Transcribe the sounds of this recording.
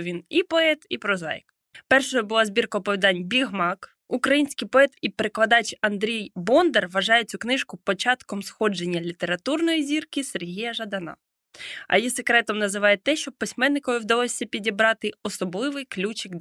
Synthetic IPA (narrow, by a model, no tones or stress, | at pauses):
ʋʲinipɔɛt̪ipɾɔzɑ̰jɪ̰k | pɛrʃɔjɛbʊlˠɑzʲbʲirkɐːpɔʋʲid̪ɑnʲbʲiɦmɑk | ukɾɐjinʲsʲkɪjpɔɛt̪ipeɾeklˠɐd̪ɑt͡ʃɐnd̪ɾʲijbɔnd̪erʋɐʒɑjɛt͡sʲuknɪʃkʊpɔt͡ʃɑt̪kɔmsxɔd͡ʒenʲːɐlʲit̪eɾɐt̪urnɔjizʲirkɪserɦijɐʒɐd̪ɐnɑ̰ | ɐ̰jisekɾɛt̪ɔmnɐzɪʋɑjet̪ɛʃt͡ʃɔpɪsʲmɛnːɪkɔʋɪwd̪ɐlˠɔsʲːɐpʲidʲibɾɑt̪ɪɔsɔblˠɪʋɪjklʲut͡ʃɪɡ